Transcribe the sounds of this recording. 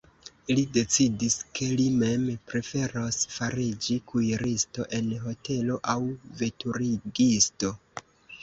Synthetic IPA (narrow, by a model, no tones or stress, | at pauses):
ilide̞t͡sidiskʰe̞lime̞mpɾe̞fe̞ɾosfaɾid͡ʒikʰujɾisto̞ʔe̞nɦo̞te̞lo̞ʔawve̞tuɾiɡisto̞